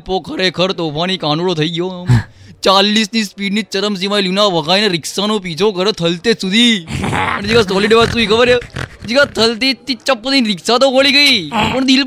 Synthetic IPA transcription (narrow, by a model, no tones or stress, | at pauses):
pokʰəɾekʰəɾt̪oːpʰanikãːnuɽot̪ʰəiɡjom | t͡ʃalːisnispiɖnit͡ʃəɾəms̬iʋailunaʋəɡaineɾɪksanop̬it͡ʃʰokəɾet̪ʰəlt̪esud̪ʱi | əned͡ʒikasɔliɖeʋasud̪ʱikʰəbəɾjed͡ʒikat̪ʰəlt̪et̪it͡ʃəpːət̪inɾɪksat̪okʰoɭiɡəipəɳd̪il